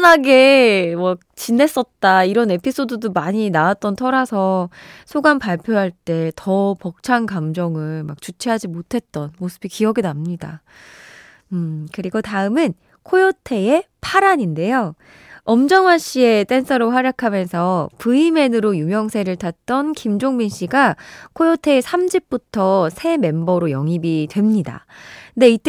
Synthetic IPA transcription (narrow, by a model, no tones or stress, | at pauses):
naɡe̞makt͡ɕinːe̞s͈ʌt̚t͈aiɾʌne̞pʰis͈odudomaɲinaat̚t͈ʌntʰʌɾasʰʌsʰoɡanpaɭpʰjoɦaɭt͈e̞tʌpʌk̚t͡ɕʰankamd͡ʑʌŋɯɭmak̚t͡ɕut͡ɕʰiɦad͡ʑimotʰe̞t̚t͈ʌnmosʰɯbikiʌɡinamɲida | ɯkɯɾiɡotaɯmɯn | kʰojotʰe̞epʰaɾaɲinde̞jo | ʌmd͡ʑʌŋwaɕ͈ie̞t͈e̞ns͈ʰʌɾoɸwaɾjakʰamjʌnsʰʌpɯime̞nɯɾojumjʌŋsʰe̞ɾɯɭtʰat̚t͈ʌnkimd͡ʑoŋminɕ͈iɡakʰojotʰe̞ːsʰamd͡ʑip̚p͈utʰʌsʰe̞me̞mbʌɾojʌŋibitwe̞mɲida̰nde̞it͈